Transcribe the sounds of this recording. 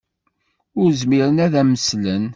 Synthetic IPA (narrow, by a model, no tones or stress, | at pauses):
ʊɾzmiɾənæðæməslən